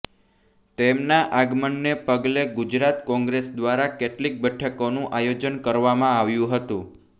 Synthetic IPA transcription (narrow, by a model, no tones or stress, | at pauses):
t̪emnaʔaɡmənːepəɡleɡud͡ʒɾat̪kɔ̃ŋɡɾesd̪ʋaɾakeʈlik̚bəʈʰəkonũʔajod͡ʒənkəɾʋamãaʋjũɦət̪ũ